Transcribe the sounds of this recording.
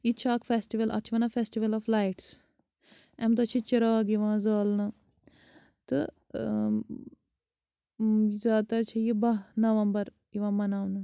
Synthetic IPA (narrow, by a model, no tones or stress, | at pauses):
it͡ʃʰaːkfeːsʈiʋɐlʔɐ̰t͡ʃʰiʋɐnafʰeːsʈiʋɐlɐːflaːjʈs | ɛmt̪ɐt͡ʃʰit͡ʃɐɾaːɡiʋãːzaːlnɐ | t̪ɨ | zaːd̪at͡ʃʰijibɐɦnɐʋɐmbɐɾ | iʋãːmɐnaːʋnɨ